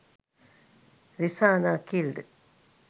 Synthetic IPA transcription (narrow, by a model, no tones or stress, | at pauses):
ɾisanakild̪